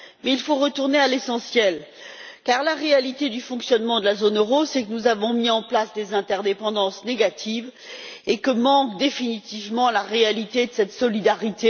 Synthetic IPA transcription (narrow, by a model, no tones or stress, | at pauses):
mɛilfoʁət̪uʁnealesɑ̃sjɛl | kaʁlaʁealit̪ed̪yfɔ̃ksjɔnmɑ̃d̪əlazonøʁosɛkənuzavɔ̃miɑ̃plasd̪ezɛ̃t̪ɛʁd̪epɑ̃d̪ɑ̃sneɡat̪ʰiv | ekəmɑ̃kd̪efinit̪ivmɑ̃laʁealit̪ed̪əsɛt̪sɔlid̪aʁit̪e